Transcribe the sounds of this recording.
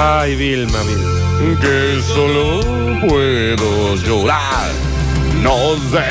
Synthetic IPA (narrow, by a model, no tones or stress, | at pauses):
ajβilmaβil | ke | solo | pwe | ðo | ʒoɾa | ɾ | nɔze